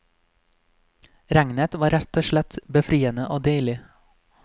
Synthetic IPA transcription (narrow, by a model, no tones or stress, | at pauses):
ɾæŋnət̪ʋɑːɾæt̪oːʃlɛt̪bəfɾiːənəʔoːd̪œɪɭɪ